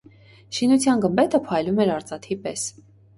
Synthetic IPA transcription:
ʃinut͡sʰjɑnɡəmbɛt̪əpʰɑjlumɛɾɑɾt͡sɑt̪ʰipɛs

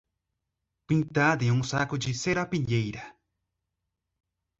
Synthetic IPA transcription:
pint̪ad̪iuŋsakʊd͡ʒiseɾapiʎejɾa

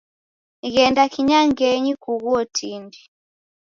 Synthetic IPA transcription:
ɣɛndakʰiɲaŋɡɛɲikuɣuɔtʰindi

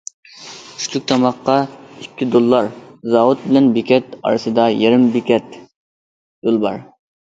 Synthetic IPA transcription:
y̥st̪ʰyk̚ʲt̪ʰɑmɑqːɑikʲʰːid̪olˠːɑɾzɑwut̪̚bɪlɛnbekʲʰɛt̪ɑ̰ɾɨsɨd̪ɑjeɾɪmbekʲɛt̪ | j̥olˠbɑ̰ɾ

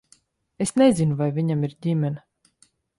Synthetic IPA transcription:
esnezinuvajvʲiɲamiɾdʲimʲɛna

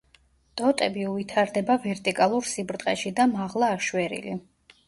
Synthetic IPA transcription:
d̪ʼɔt̪ʼɛbiuvit̪ʰaɾd̪ɛbavɛɾt̪ʼikʼalˠuɾsibɾd̪t̪ʼqʼɛ̰ʃid̪amaʁlˠaːʃwɛɾḭlḭ

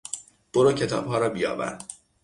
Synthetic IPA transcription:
b̥oɾɒːcʰe̞t̪ʰɒ̰ːb̥ɦɒːɾɒːbijɒ̰ːbæ̰n

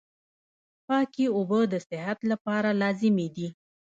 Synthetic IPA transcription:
pɑkiobəd̪əsɪɦat̪lapɑɾalɑzɪmed̪i

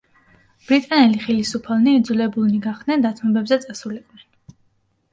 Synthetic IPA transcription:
b̥ɾit̪ʼanɛliχɛlisupʰalˠniːd̪zulɛbulˠniɡaχd̪̥nɛnd̪at̪sʰmɔbɛbzɛt̪sʼasulɛkʼnɛn

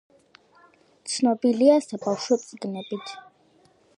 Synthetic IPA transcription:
t̪sʰnɔbiliasabafʃɔt̪sʼɡnɛbit̪ʰ

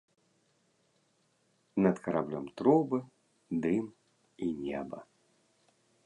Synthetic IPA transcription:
nɐt̪kɐɾablʲɔmt̪ɾɔbɨ | d̪ɨm | inʲɛbɐ̰

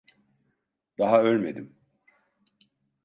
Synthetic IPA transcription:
d̪̥aɦaølʲme̞d̪im

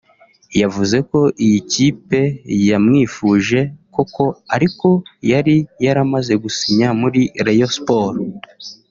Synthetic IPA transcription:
javuze̞ko̞ʔijiciːpe̞jamŋiːfuːʒe̞ko̞ko̞aɾiko̞jaɾijaɾamaze̞ɡusiɲamuɾiɾejospoːɾ

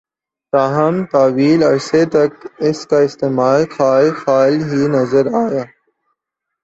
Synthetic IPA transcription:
t̪aːɦɐmt̪aːʋiːlɐɾset̪ɐkɪskaɪst̪eːmaːlxaːlxaːlɦinɐzəɾaːjaː

